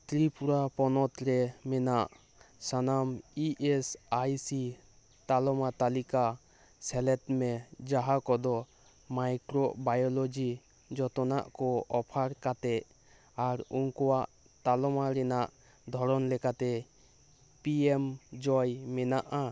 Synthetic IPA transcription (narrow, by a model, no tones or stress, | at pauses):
t̪ɾipuɾapɔnɔt̪ɾɛmɛnaʔ | sanamiʔɛsajsi | t̪alɔmat̪alika | sɛlɛt̪mɛd͡ʒaɦakɔd̪ɔ | majkɾɔʔbajɔlɔd͡ʒi | d͡ʒɔt̪ɔnaʔkɔɔpʰaɾkat̪ɛʔ | aɾuŋkɔwaʔ | t̪alɔmaɾɛnaʔ | d̪ʱɔɾɔnlɛkat̪ɛ | piemd͡ʒɔjmɛnaʔa